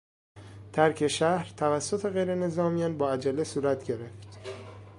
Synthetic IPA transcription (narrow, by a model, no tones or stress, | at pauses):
t̪ʰæɾcʰe̞ʃæhɾt̪ʰævæsːot̪ʰe̞ɣe̞jɾe̞ne̞zɒːmijɒnbɒːæd͡ʒælːesuːɾæt̪ʰɟeɾe̞ft̪